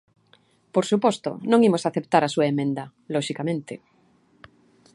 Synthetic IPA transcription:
poɾsupost̪o̰nõŋimosaθep̚t̪aɾasuaemẽnd̪a | loʃikamẽnt̪e

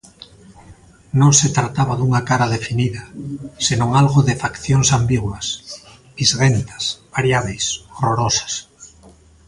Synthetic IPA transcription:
nõŋset̪ɾat̪aβaðuŋakaɾaðefiniðɐsenõŋalɣoðefakθjoŋsambiɣwas | bizɣent̪ḁsβ̥aɾjaβ̞ejsoroɾosḁs

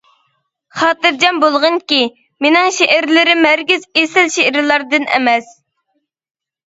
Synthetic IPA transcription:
χɑːt̪ɨɾd͡ʒɛnbolˠʁəŋkʲi | menɪŋʃeʔæɾlɪɾɪmæɾɡʲizesɪlʃeʔɾlˠɑɾd̪ɨnʔɛ̰mɛs

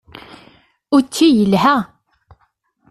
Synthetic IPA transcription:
ʊɾt͡sːijəlɦæ

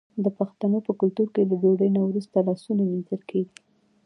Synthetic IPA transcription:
d̪əpaxt̪anopəkʊlt̪uɾkeladoɽəjnawɾust̪alɑsunaminzəlkʰeɡi

